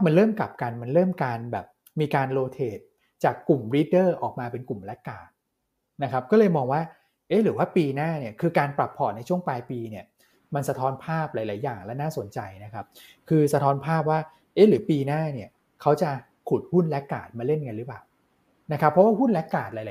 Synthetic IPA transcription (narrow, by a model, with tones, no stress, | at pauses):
ma˧nɾɤː˥˩mka̰˨˩p̚ka˧nma˧nɾɤː˥˩mkaː˧nbɛː˨˩p̚ | miː˧kaː˧nloː˧t̪ʰeː˨˩t̪̚ | t͡ɕaː˨˩kːu˨˩mɾi˦˥t̚dɤː˥˩ʔɔː˨˩k̚maː˧pe˧nku˨˩mlɛ˦˥kːaː˨˩t̪̚ | na˦˥kʰa˦˥p̚kɔ˥˩lɤː˧jmɔː˧ŋwaː˥˩ | ʔe˦˥ɾɯː˩˦waː˥˩piː˧naː˥˩ni˦˥˩əkʰɯː˧kaː˧npɾa˨˩pʰːɔː˨˩na˧jt͡ɕʰu˥˩əŋplaː˧jpiː˧ni˥˩ɐ | ma˧nsa˧t̪ʰɔː˦˥npʰaː˥˩p̚laː˩˦jlaː˩˦jːaː˨˩ŋlɛ˦˥naː˥˩so˨˩˦nt͡ɕa˧jna˦˥kʰa˦˥p̚ | kʰɯː˧sa˧t̪ʰɔː˦˥npʰaː˥˩p̚waː˥˩ | ʔe˦˥˩ɾɯː˩˦piː˧naː˥˩ni˦˥˩ɐ | kʰa˦˥wt͡ɕa˨˩ | kʰu˨˩t̪̚hu˥˩nlɛ˦˥kːaː˨˩t̪̚maː˧le˥˩nka˧nɾɯ˦˥plaː˨˩w | na˦˥kʰa˦˥pʰːɔ˦waː˥˩ɦu˥˩nlɛ˦˥kːaː˨˩t̪̚laː˨˦la˨˦